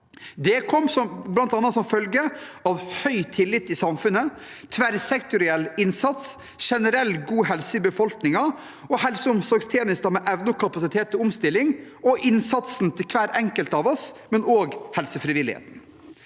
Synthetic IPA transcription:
d̪ɛkʰɔmːsɔmblɑnt̪ɑnːɑt̪sɔmfœlɡəɑʋhœʏt̪ʰɪlːɪt̪ːɪsɑmfʉnə | t̪ʰʋæɾsɛkt̪ʊɾɪɛlːɪnsɑt̪s | ʂɛnəɾɛlːɡuːhɛlsəbəfɔlknɪŋɑ | ɔhɛlsəʊmsɔːɡst̪ʰeːnɪst̪ɑmɛʔɛʋnəʊkʰɑpɑsɪt̪ʰeːt̪ʰːɔʊmst̪ɪlːɪŋ | ɔʔɪnsɑt̪sn̩t̪ʰɪlkʰʋæːɾɛŋkəlt̪ɑʋɔsmɛnoːɡhɛlsəfɾɪʋɪlɪhḛːt̪n̩

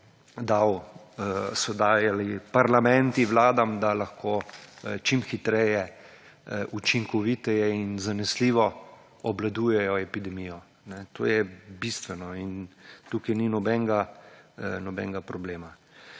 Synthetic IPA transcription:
d̪aw | sɔd̪aːjalipaɾlamɛ̃nt̪iʋlaːd̪amd̪alaxkʰoːt͡ʃimxit̪ɾɛjɛ | ʔut͡ʃiŋkɔʋit̪ɛjɛinzanɛsliːʋɔ | ɔblad̪uːjɛjɔɛpid̪ɛmijɔ | nɛt̪ʰo̰ːjɛbist̪ʋɛnɔint̪ukajninɔbɛŋɡa | nɔbɛ̰ːŋɡapɾɔbleːma

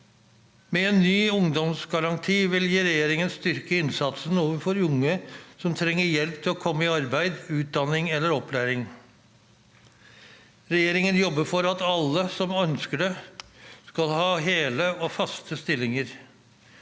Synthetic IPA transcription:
mɛɛnːyːʊŋd̪ɔmsɡɑɾɑnt̪ʰiːʋɪljiːɾɛjeːɾɪŋənst̪ʏɾkəɪnsɑt̪sənoːʋəɾfɔɾʊŋːəsɔmt̪ʰɾɛŋːəjɛlpt̪ʰɪlɔkʰɔmːəɪɑɾbæɪd̪ʉːt̪̚d̪ɑnɪŋɛlːəɾɔpʰlæːɾɪŋ | ɾɛjeːɾɪŋənjɔbːəfɔɾɑt̪ɑlːəsɔmœnskəɖɛ | skɑlhɑːɦeːləofɑst̪əst̪ɪlːɪŋəɾ

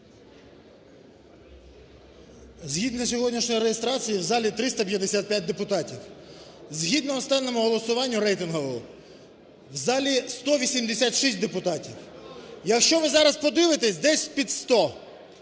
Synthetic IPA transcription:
zɦʲid̪nɔsʲɔɦɔdʲnʲiʃnʲɔjiɾejest̪ɾɑt͡sʲijiwzɑlʲit̪ɾɪst̪ɐpʲjɐd̪esʲat̪̚pjat̚ʲd̪e̞pʊt̪ɑtʲiwzɦʲid̪nɔːst̪ɑnːɔmʊɦɔlˠɔsʊʋɑnʲːʊɾɛjt̪ɪnɦɔʋɔ | wzɑlʲist̪ɔʋʲisʲimd̪esʲat̪ʃisʲt̚ʲd̪epʊt̪ɑtʲiwjɐkʃt͡ʃɔʋɪzɑɾɐspɔd̪ɪʋɪt̪esʲd̪ɛsʲpʲid̪st̪ɔ

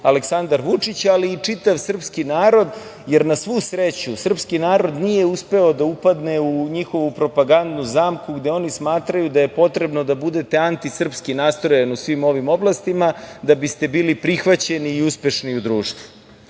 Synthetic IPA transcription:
aleksand̪aɾʋut͡ʂit͡ɕaliːt͡ʂit̪aʋsr̩pskinaːɾo̞d̪ | jeɾnasʋusɾet͡ɕusr̩pskinaːɾo̞d̪nije̞uspe̞o̞d̪aupad̪ne̞uɲixo̞ʋupɾo̞paɡand̪nuzaːmkuɡd̪eo̞nismaːt̪ɾajud̪aje̞po̞t̪ɾe̞bno̞d̪abud̪e̞t̪eant̪isr̩pskinast̪ɾojanusʋimo̞ʋimo̞blˠast̪imad̪abist̪e̞biːlipɾixʋat͡ɕe̞niːuspe̞ʃniud̪ɾuːʂt̪vu̥

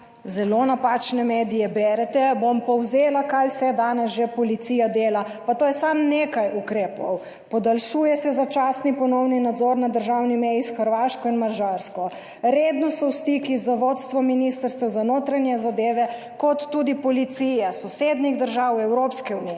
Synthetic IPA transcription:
zɛlonapat͡ʃnɛmeːd̪ijɛbɛɾɛt̪ɛbompɔwzeːlakajwsɛd̪aːnɛsʒepɔlit̪sijad̪eːla | pat̪oːjɛsamnekajukɾeːpɔw | pɔd̪alʃujɛsɛzat͡ʃaːsnipɔnɔwninad̪zɔɾnad̪əɾʒawnimɛjisxəɾʋaːʃkɔinmaɾʒaɾskɔ | ɾeːd̪nɔsɔwst̪ikizaʋot̪st̪ʋɔminist̪əɾst̪ʋɛwzanoːt̪ɾanjɛzad̪eːʋɛ | kɔt̪ːud̪ipɔlit̪sijɛsɔsed̪niɣd̪əɾʒaːwɛwɾopskɛunijɛ

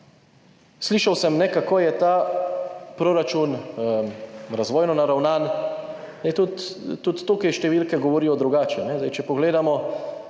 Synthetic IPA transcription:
sliːʃawsɛmnɛkakoːjɛt̪aː | pɾoːɾat͡ʃun | ɾazʋɔːjnɔnaɾawnaːn | nɛt̪ut̪ːut̪ːoːkɛjʃt̪ɛʋiːlkɛɡɔʋɔɾiːjɔd̪ɾuɡaːt͡ʃɛnɛzd̪ajt͡ʃɛpɔɡleːd̪amɔ

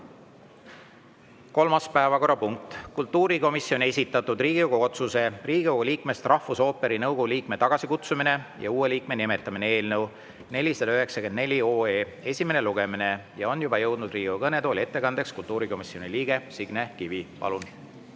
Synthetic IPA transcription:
ko̞lmɑspæevɑko̞rːɑpuŋk̚t̪kult̪ːˑuːɾiko̞misio̞nʲe̞sʲit̪ːˑɑt̪ːˑud̪riːɡ̥ioɡ̥oot̪suse̞riːɡ̥iowɡuliːkme̞st̪rɑhfuso̞ːpːe̞ɾinɤwɡ̥ouliːkme̞t̪ɑɡ̥ɑsikut̪sumine̞jɑ̰uːeliːk̚me̞nime̞t̪ːˑɑminee̞ːlnɤw | ne̞lʲiseløɦe̞ksɑke̞nd̪ne̞lʲioːeː | e̞sʲime̞ne̞luɡ̥e̞mine̞jɑo̞njubɑjɤ̞wd̪̥nud̪̥riːɡioɡɤnet̪oːlʲie̞t̪ːe̞kɑnd̪̥e̞kskult̪ːˑuːɾiko̞misio̞nʲiliːɡ̥e̞siɡ̥nekivipɑ̰lun

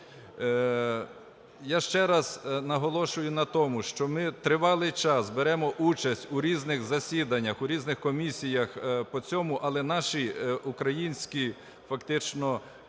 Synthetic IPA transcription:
jaʃt͡ʃɛɾɐz̥nɐɦɔlˠɔʃʊjʊnɐt̪ɔmʊʃt͡ʃɔmɪt̪ɾɪʋɑlˠɪjt͡ʃɑsbeɾɛmɔʔut͡ʃɐsʲtʲʊɾʲiznɪxzɐsʲid̪ɐnʲːɐxʊɾʲiznɪxkɔmʲisʲijɐxpɔt͡sʲɔmʊʔɐlˠɛnɑʃiukɾɐjinʲsʲkʲi | fɐkt̪ɪt͡ʃnɔ

